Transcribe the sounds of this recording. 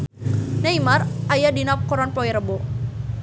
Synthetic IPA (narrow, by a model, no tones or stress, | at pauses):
naimarʔajadinap̚kɔɾɔnpɔiɾəbo